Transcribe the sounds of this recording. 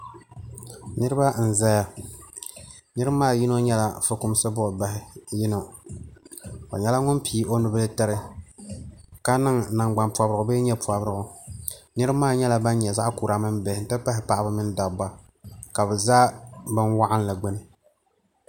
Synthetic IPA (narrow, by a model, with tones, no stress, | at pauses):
nɨ˦ɾɨ˦ba˦n̩˨za˦ja˨ | nɨ˦ɾɨ˦maː˦˨ji˦no˦ɲɛ˦la˨fɨ˦kʊ˦m˦sɨ˦bʊ˦ʔba˦hɪ˨˦jɪ˦no˨ | ka̰˨ɲɛ˦la˦ŋʊ˦npi˨˦o˦nʊ˨bɨ˦lɨ˦ta˦ɾɨ˦ | ka˦nɨ˦ŋna˨ŋɡ͡ba˨npu˨a˨bɾɨ˨ɡʊ˨bɨ˦ɲɛ˦pu˨a˨bɾɨ˦ɡʊ˨nɨ˦ɾɨ˦maː˦˨ɲɛ˦la˦ba˦n˦ɲɛ˨za˦ʔkuː˨ɾa˦mɨ˦nbɛ˨hɪ˨n˦tɨ˦pa˦ɦɪ˨pa˨ʔa˦bɨ˦mɪ˦n˦da˨˦ba˦ | ka˨bɛ˨zaː˦bɨ˦nwa˦ʔa˦n˦la˨ɡ͡bɛ˦nɨ˦